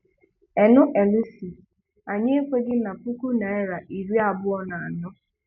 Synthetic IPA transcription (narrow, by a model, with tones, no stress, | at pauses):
ɛ˨nʊ˦ʔe˨lu˦si˨ | a˨ɲɪ˦e˦kʷe˦ɡɪ˦na˨pu˦ku˦na˨e˦ɾa˨ʔi˨ɾi˦a˨bʊ˦ɔ˦na˨a˨nʊ˦